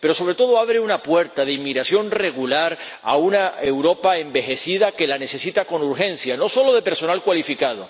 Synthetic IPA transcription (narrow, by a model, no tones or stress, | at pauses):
pe̞ɾo̞so̞β̞ɾe̞t̪o̞ð̞oaβ̞ɾeunapwe̞ɾt̪aðeimːiɣɾasjo̞nre̞ɣulaɾ | a̰unae̞wɾo̞paembe̞xe̞sið̞ake̞lane̞θe̞sit̪ako̞nuɾxẽ̞n̟θjano̞so̞lo̞ðe̞pe̞ɾso̞nalkwalifikað̞o̞